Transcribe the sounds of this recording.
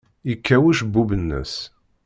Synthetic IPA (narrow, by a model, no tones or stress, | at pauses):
ikʰːæwuʃbːubənːə̰s